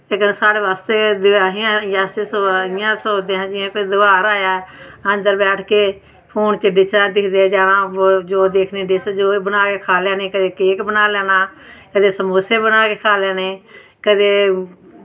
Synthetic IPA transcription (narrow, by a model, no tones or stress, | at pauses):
ekənsaːɽeːʋaːst̪eːd̪aːɦɪjãːjaːsesoɪjãːsoːd̪eːɦãːd͡ʒɪãːkod̪ʊɡaːɾaːjaːənd̪əɾbɛːʈʰkeː | pʰoːnt͡ʃəɖɪt͡ʃãːd̪ɪkʰd̪eːd͡ʒaːɾãːd͡ʒoːd̪eːkʰneːɖɪsd͡ʒoːbənaːkeːkʰaːljaːneːkəd̪eːkeːkbənaːlɛːnaːkəd̪eːsəmoːseːbənaːkeːkʰaːljaːneː | kəd̪eː